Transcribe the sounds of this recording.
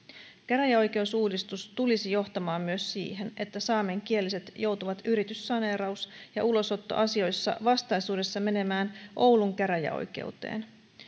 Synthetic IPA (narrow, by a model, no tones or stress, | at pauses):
kæɾæjæo̞jk̟e̞usuːdist̪ust̪ulisijo̞ht̪ɑmɑːmːyø̞sːḭːɦe̞ne̞t̪ːæsɑːme̞ŋk̟ie̞lise̞t̪jo̞wt̪uʋɑt̪yɾit̪ysːɑne̞ːɾɑusjɑ̰ʔulo̞so̞t̪ːo̞̰ʔɑsio̞jsːɑ̰ʋɑst̪ɑjsuːde̞sːɑme̞ne̞mæːnʔo̞wluŋkæɾæjæ̰o̰jk̟e̞̰ut̪ḛːn